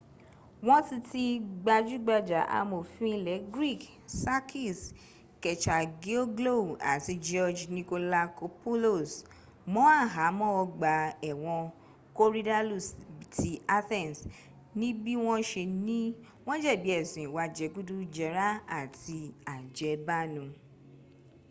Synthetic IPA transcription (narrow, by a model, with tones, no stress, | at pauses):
w̃ɔ̃˦ti˧ti˧ɡ͡ba˧d͡ʒu˦ɡ͡ba˧d͡ʒa˨ʔa̰˧mo˨fĩ˦i˧lɛ˨˦ɡɾi˦˨k | sa˦kʰi˦˨s | kɛ˨t͡ʃa˨ɡe˦o˦ɡlo˦˨a̰˨ti˧d͡ʒɔ˧d͡ʒnĩ˧ko˧la˧ko˧po˦lo˦˨s | mɔ̃˦a˦˨ɦa˨˦mɔ̃˦ɔ˧ɡ͡ba˨ɛ˨w̃ɔ̃˧ | ko˦ɾi˦da˦lu˦˨sbi˨ti˧a˦θɛ̃˦˨ns | nĩ˦bi˦w̃ɔ̃˦ʃe˧nĩ˦ | w̃ɔ̃˦d͡ʒɛ˦˨bi˨˦ɛ˦˨sĩ˨ĩ˨wa˧d͡ʒɛ˨˧ɡu˦du˦d͡ʒɛ˧˦ɾa˦a˦˨ti˧a˨d͡ʒɛ˨˧ba˦nũ˨˧